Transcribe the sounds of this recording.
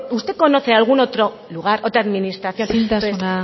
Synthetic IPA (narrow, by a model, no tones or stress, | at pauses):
ust̪eko̞no̞θe̞alɣ̞unot̪ɾo̞ | luɣ̞aɾot̪ɾaðminist̪ɾaθjo̞nit̪aseona